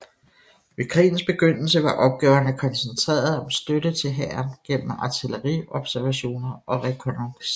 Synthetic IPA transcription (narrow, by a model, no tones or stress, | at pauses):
ʋe̝kʰʁḭːn̩sb̥e̝ɡ̥øn̰l̩səʋɑ̈ʔɒ̽b̥̚ɡ̥ɛːʊɐnəkʰɒ̽nsent͡sʰʁɛ̰ːɐð̞̩ˠɒ̽msd̥ød̥ət͡sʰe̝lɦæɐnɡ̥em̰m̩ɑ̈t͡sʰiləʁiɒ̽b̥sæɐʋæɕo̝̰ːnɐʔɒ̽ʁɛkʰonoŋs